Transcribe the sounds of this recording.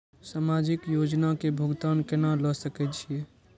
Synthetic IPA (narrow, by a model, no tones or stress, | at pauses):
saːmad͡ʒɪkjod͡ʒnakebʱʊɡt̪ankenaləsəkɛt͡ʃʰie